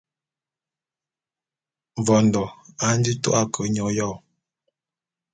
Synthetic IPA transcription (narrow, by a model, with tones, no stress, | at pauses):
ɱ˨vɔ˨ndɔ˨a˨˦n̩˦di˦tɔ̰˦ʔa˦kʰə˨˦ɲɔ˨jɔ˦˨